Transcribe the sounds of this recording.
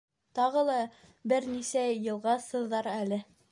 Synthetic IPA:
t̪ɑʁɤlˠɑ | bɘɾnisæjɤ̆lˠʁɑsɤ̆ðːɑɾælɘ

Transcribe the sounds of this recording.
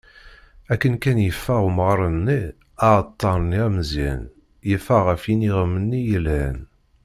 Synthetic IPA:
ækːənkænjəfːəʁuməʁɾˤənːi | ɑʁət̪ˤːɑɾˤniæmzæ̰n | jəfːæʁəfiniʁəmːənːijəlhæn

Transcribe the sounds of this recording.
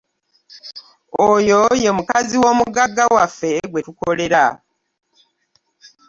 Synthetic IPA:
ojo̞je̞mukaziwo̞ːmuɡaɡːawafːe̞ɡwe̞tukole̞ɾa̰

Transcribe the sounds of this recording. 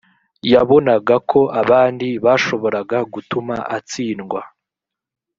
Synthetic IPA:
jaβo̞naɡakʰo̞ʔaβaːndiβaʃo̞βo̞ɾaɡaɡutumaʔat͡siːnɡwa

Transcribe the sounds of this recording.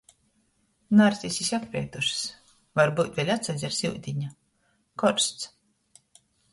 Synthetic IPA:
naɾsʲisʲisʲakpɾʲɛɛt̪uʃs | vaɾbuːt̪ʲvʲelʲat̪sazʲaɾsʲiwd̪ʲiɲa | kɔɾst̪s

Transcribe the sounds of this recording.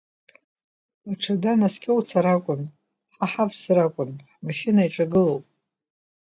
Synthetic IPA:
aʈ͡ʂʰadanaskʲʼowt͡sʰaɾakʷʼʊn | ħaħapʰsrakʷʼʊnħmaʃɪnaiʈ͡ʂʼaɡɨlo̞wpʼ

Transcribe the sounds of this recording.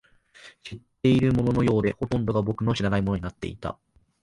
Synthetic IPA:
ɕit̪ːe̞iɾɯ̟mo̞no̞no̞jo̞ːd̪e̞ho̞t̪õ̞nd̪o̞ɡabo̞kɯ̟no̞ɕiɾanaimonoinat̪ːe̞̰it̪a̰

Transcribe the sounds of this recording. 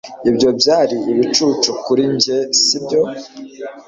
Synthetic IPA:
ibjo̞bjaːɾiiβit͡ʃuːt͡ʃukuɾiɲɟesibjo̞

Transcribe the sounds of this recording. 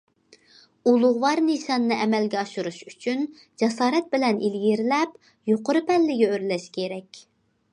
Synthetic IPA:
ulˠʊʁwɑɾniʃɑnːɨʔɛmɛlɡʲɛɑʃuɾuʃyt͡ʃʰyn | d͡ʒɛsɑːɾɛt̪̚bɪlɛnilɡʲiɾlɛp | joqʊɾɨpʰɛlːɪɡʲɛøɾlɛʃkʲʰeɾɛkʲ

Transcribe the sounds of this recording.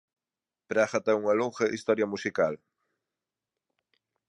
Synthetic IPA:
pɾaxat̪ɛuŋɐloŋxɐʔist̪ɔɾjɐmusikal

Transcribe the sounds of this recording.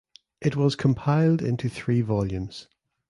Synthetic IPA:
ʔɪʔwɒz̥kʰə̃mpʰaɪlˠdɪ̃ntʰuθɹiːvɒljʉ̃mz̥

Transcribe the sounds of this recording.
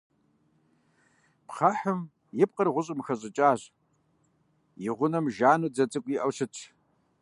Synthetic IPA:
pχɐħʊm | jɪp̚qərʁʷʊɕ̬ʼɪmxɐɕ̬ʼɨt͡ʃʼaːʑ | jɪʁʷʊnɐmʒaːnuːd͡zɐt͡sʼɨkʷʼjiʔɐwɕɨtʰ

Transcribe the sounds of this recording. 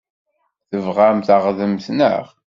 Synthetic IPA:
θəvʁamθəʁðəmθnə̰ʁ

